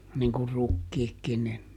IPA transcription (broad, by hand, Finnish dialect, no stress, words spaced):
niŋ kur rukːiːkːin nin